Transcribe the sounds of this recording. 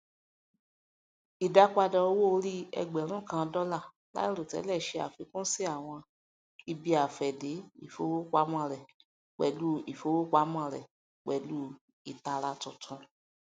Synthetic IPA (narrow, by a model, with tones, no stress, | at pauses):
i˨da˧k͡pa˧dɔ˧o˧wo˦o˧ɾi˦ɛ̰˧ɡ͡bɛ˨ɾ̃ũ˦kã˧dɔ˧la˦˨ | la̰˦i˦ɾo˨tɛ̰˨˦lɛ˦˨ʃe˧˦a̰˨fi˨˦kũ˦si˦a˦˨w̃ɔ̃˧ | i˧bi˧a˨fɛ˨de˨˦ḭ˦˨fo˨˦wo˦k͡pa˧˦m˦ã˦˨ɾɛ˨ | k͡pɛ̰˨lu˨˦i˨fo˨˦wo˦k͡pa˧˦m˦ã˦˧˨ɾɛ˨ | k͡pɛ˨lu˦ | i˨ta˧ɾa˧tũ˨tʰũ˧